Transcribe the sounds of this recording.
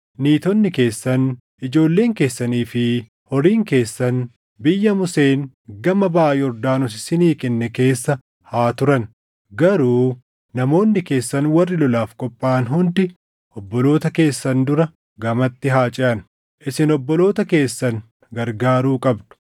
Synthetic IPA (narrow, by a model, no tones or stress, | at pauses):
niːt̪ɔnːɪke̞ːsːɐn | ʔɪd͡ʒo̞ːlːe̞ːŋke̞ːsːɐniːfɪ | hɔɾiːŋke̞ːsːɐn | bɪjːɐmʊse̞ːn | ɡɐmɐbaːjɪɔɾd̪aːnʊs̬ɪsɪniːkɛnːɛke̞ːsːɐ | haːt̪ʊɾɐn | ɡɐɾuː | nɐmo̞ːnːɪke̞ːsːɐnwɐrːɪlɔlaːfkʼɔpʼːaːnɦʊnd̪ɪ | ʔɔbːɔlo̞ːt̪ɐke̞ːsːɐnd̪ʊɾɐ | ɡɐmɐt̪ːɪɦaːt͡ʃʼɪʔɐn | ʔɪsɪnɔbːɔlo̞ːt̪ɐke̞ːsːɐn | ɡɐɾɡaːɾuːkʼɐbd̪ʊ̥